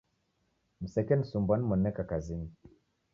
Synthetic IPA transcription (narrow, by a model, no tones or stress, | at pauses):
m̩sɛkɛnisumbanimɔnːɛkakazini